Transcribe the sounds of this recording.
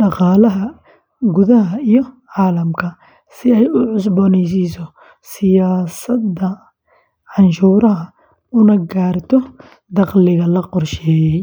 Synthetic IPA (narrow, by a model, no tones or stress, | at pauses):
ɖɑqɑːlɐɦɐ | ɡʊðɐɦɐijɔʕaːlɐmkʰɐ | sɪɛjʊʕʊs̬bɔːnɛjs̬isɔ | sɪjaːsɐd̪ɐ | ʕɑnʃuːɾɐɦɐ | ʊnɐɡaːrt̪ʰɔ | d̪ɑqlɪɣɐlɐqɔrʃɛːjɛj